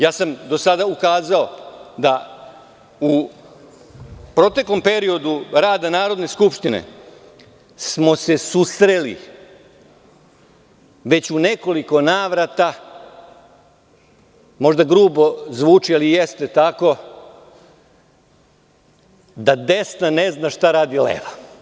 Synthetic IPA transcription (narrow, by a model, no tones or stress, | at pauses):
jaːsamd̪o̞sad̪aukaːzao̞d̪a | u | pɾo̞t̪e̞klo̞mpe̞ɾio̞d̪uɾaːd̪anaːɾo̞d̪ne̞skupʃt̪inḛ | smo̞se̞susɾe̞lḭ | ʋe̞t͡ɕune̞ko̞liko̞naːʋɾat̪a | mo̞ʒd̪aɡɾuːbo̞zʋuːt͡ʂialijest̪e̞t̪ako̞ | d̪ad̪e̞snane̞znaʃt̪aɾaːd̪ilḛːʋa